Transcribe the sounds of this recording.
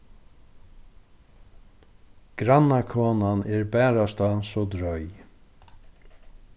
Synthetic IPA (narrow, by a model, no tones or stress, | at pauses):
ɡ̥ɾanːakʰoːnanɛɹbɛːɾast̪asɔd̪ɾœj